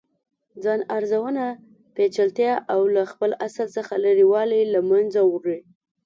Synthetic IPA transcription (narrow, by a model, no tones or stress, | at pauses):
d͡zɑnaɾzawəna | pet͡ʃalt̪jɑʔawlaxpəlasəlsəxaləɾiwɑlilamanzawəkɽi